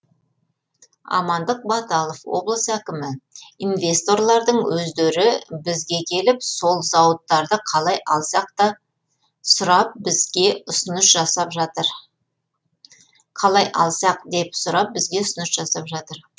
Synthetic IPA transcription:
ɑ̰mɑnd̪əq̚bɑt̪ɑlˠofwo̞̰blˠəsəækʲɪmɪinvʲe̞st̪o̞ɾlˠɑɾd̪əɴwɵzd̪eɾɪbɪzɡʲe̞kʲʰe̞lɪpso̞lˠzɑwət̪ːɑɾd̪əqʰɑlˠɑjɑlˠsɑq̚t̪ɑ | sʊɾɑp̚bɪzɡʲe̞ʊsənəʃʒɑsɑpʒɑt̪əɾ | qʰɑlˠɑjʔɑ̰lˠsɑq̚d̪e̞psʊɾɑp̚bɪzɡʲe̞ʊsənəʃʒɑsɑpʒɑt̪əɾ

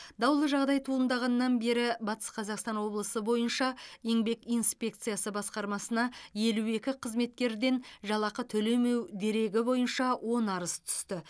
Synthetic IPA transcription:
d̪ɑwlˠəʒɑʁd̪ɑjt̪ʰuənd̪ɑʁɑnːɑnbe̞ɾɪbɑt̪ə̥sqʰɑzɑqst̪ɑnwo̞blˠəsəbo̞jənʃɑeŋbe̞kijnspʲe̞k̚t̪sɨjasəbɑsqɑɾmɑsənɑje̞lue̞kʲɪqʰəzme̞t̪̚kʲe̞ɾd̪e̞nʒɑlˠɑqət̪ʰɵle̞me̞wd̪e̞ɾe̞ɡʲɪbo̞jənʃɑwʔo̞nɑɾəst̪ʰʏ̥st̪ɪ

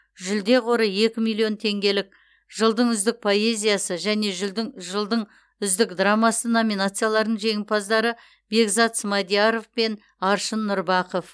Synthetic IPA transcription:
ʒʏld̪e̞qʰo̞ɾəe̞kʲɪmijlˠːijo̞nt̪ʰe̞ŋɡʲe̞lɪk̚ | ʒəlˠd̪əɴʏzd̪ɪk̚pʰo̞e̞zʲijasəʒæne̞ʒɪʒəlˠd̪əɴ | ʏzd̪ɪkd̪ramɑsəno̞mʲinat̪sɨjalˠɑɾnəɴʒe̞ŋɪmpʰɑzd̪ɑɾə | be̞ɡzɑt̪smɑd̪ijaɾo̞fpe̞n | ɑɾʃənːʊɾbɑqof

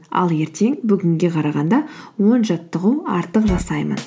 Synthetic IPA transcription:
ɑ̰lˠe̞ɾt̪e̞ŋbʏɡʲɪŋɡʲe̞qʰɑɾɑʁɑnd̪ɑwo̞nʒɑt̪ːəʁuwɑɾt̪əqʒɑsɑjmə̰n

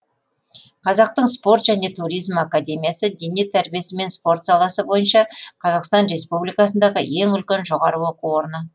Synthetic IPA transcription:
qʰɑzɑq̚t̪əɴspo̞ɾt̪ʒ̥æne̞t̪ʰuɾijzmakad̪ʲe̞mʲijasəd̪enet̪ʰæɾbije̞sɪme̞nspo̞ɾt̪sɑlˠɑsəbo̞jənʃɑqʰɑzɑqst̪ɑnɾe̞spublijkɑsənd̪ɑʁəje̞ŋʏlkʲenʒo̞ʁɑɾəwo̞quwo̞ɾənə

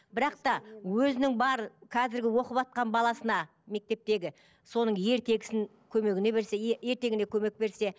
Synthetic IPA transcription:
bɪɾɑqt̪ɑwɵzɪnɪŋbɑɾəkʰɑzɪɾɡʲɪwo̞qəpɑt̪̚qɑnbɑlˠɑsənɑ | me̞k̚t̪e̞p̚t̪e̞ɡʲɪ | so̞nəɴje̞ɾt̪ʰe̞ɡʲɪ̥sɪŋ | kʲʰɵme̞ɡʲɪne̞βe̞ɾse̞e̞ɾt̪eɡʲɪne̞kʲʰɵme̞k̚be̞ɾse̞

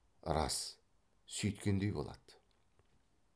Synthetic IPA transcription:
ɾɑ̰s | sɵjt̪kʲend̪ejbo̞lˠɑ̰d̪̥

